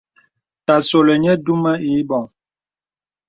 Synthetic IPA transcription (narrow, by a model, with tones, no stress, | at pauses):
ta˨so˨lə˨ɲə˦du˦mə˦i˨˦bɔ˨ŋ